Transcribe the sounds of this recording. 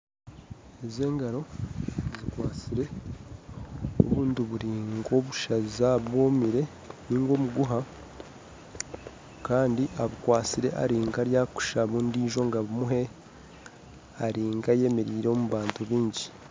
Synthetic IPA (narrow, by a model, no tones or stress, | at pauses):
eze̞ːŋɡaɾo̞zikwaːt͡siɾe̞ | o̰βuːndiβuɾiːŋɡo̞βuʃazaβwoːmiɾe̞ | niːŋɡo̞ːmuɡuɦa | kaːndiʔaβukwaːt͡siɾe̞ʔa̰ɾiːŋɡaɾjaːku̥ʃaβuːndiːʒo̞ŋɡaβumuɦe̞ | aɾiːŋɡaje̞me̞ɾiːɾeomuβaːntuβiːɲɟi